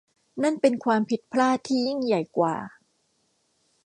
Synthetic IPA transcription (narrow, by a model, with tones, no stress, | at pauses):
na˥˩npe˧nkʰwaː˧mpʰi˨˩t̪̚pʰlaː˥˩t̪ʰiː˥˩ji˥˩ŋja˨˩jkwa̰ː˨˩